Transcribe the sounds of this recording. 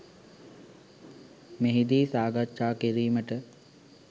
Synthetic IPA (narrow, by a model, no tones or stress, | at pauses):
meɦid̪iːsaːɡatʃaːkiɾiːməʈə